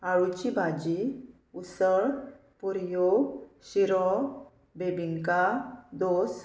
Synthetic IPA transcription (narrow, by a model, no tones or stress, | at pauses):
aɭut͡ɕibʱad͡ʑi | usəɭ | puɾjoɕiɾɔ | bebiŋkad̪os